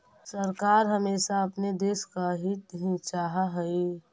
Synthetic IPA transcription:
səɾkaːɾɦəmeːsaəpned̪eːskaɦit̪ɦĩt͡ʃaːɦaɦɛi

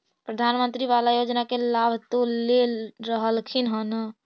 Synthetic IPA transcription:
pɾəd̪ʱanmənt̪ɾiβalajod͡ʒnakelabʱt̪olleɾəɦəlkʰinɦənə

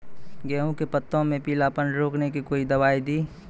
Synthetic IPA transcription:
ɡɛːɦõkepət̪ːõmẽpiːlaːpənɖɾoːknekikoːid̪ɐʋaːid̪iː

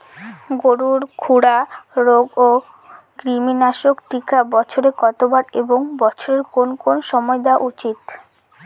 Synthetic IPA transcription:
ɡoɾuɾkʰuɽaɾoɡo | ɡɾiminaʃokʈikabɔt͡ɕʰoɾekɔt̪obaɾeboŋbɔt͡ɕʰoɾeɾkonkonʃɔmɔed̪aʔut͡ɕit̪

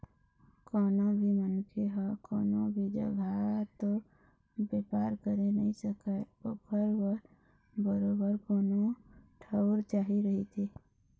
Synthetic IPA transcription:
kɔːnobʱimənkʰeɦɔkɔːnobʱid͡ʒə̰ɡʱat̪o | beːpaːɾkəɾenəɦĩsəkəpokʰəɾwə | bəɾoːbəɾkoːnoʈʰəʊɾt͡ʃaːɦiɾəɦit̪ʰiː

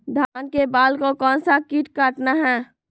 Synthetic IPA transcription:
d̪ʱaːnkebaːlkokɔːnsakiʈkaːʈnaɦɛː

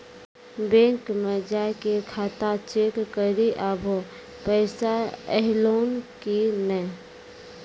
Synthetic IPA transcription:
bẽːŋkmẽd͡ʒaːkekʰaːt̪at͡ʃeːkːəɾiʔaːbʱo | pɛɪsaɛɦloːnkinɛ̃

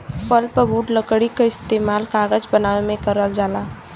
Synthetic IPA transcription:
pəlpəbuːɖləkɽikaɪst̪eːmaːlkaːɡəd͡ʒbənaːʋemẽkəɾəld͡ʒaːlaː

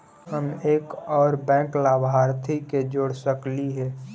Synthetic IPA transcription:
həmeːkɔːɾbɛ̃ːklaːbʱaːɾt̪ʰiked͡ʒoːɽsəkliɦɛː

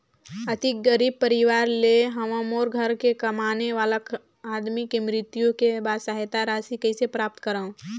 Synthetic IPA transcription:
ət̪ik̚ɡəɾiːb̚pəɾiʋaːɾleɦɐməmoːɾɡʱəɾkekɐmaːneʋaːlak | aːd̪mikemɾɪt̪jõkebaːd̪səɦet̪aɾaːsikɐisepɾaːp̚t̪kəɾaõ

